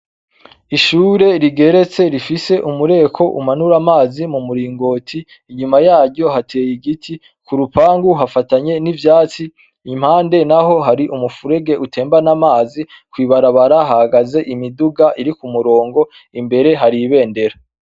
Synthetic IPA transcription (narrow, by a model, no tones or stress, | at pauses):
iʃuːɾe̞ɾiɡe̞ɾe̞t͡se̞ɾifise̞ʔumuɾe̞ːkʰo̞ʔumanuɾamaːzimumuɾiːŋɡo̞ːtʰiː | ɲumajaːɟɟo̞ɦatʰe̞ːjiɡitʰi | kuɾupaːŋɡuɦafataɲe̞nivjaːt͡siː | m̥haːnde̞naɦo̞ɦaɾiʔumufuɾe̞ɡe̞ʔutʰe̞ːmbanamaːzi | kwiːβaɾaβaɾaɦahaɡaze̞ʔimiduɡaʔiɾikumuɾo̞ːŋɡo̞ | imbe̞ɾe̞ɦaɾiβe̞ːnde̞ɾa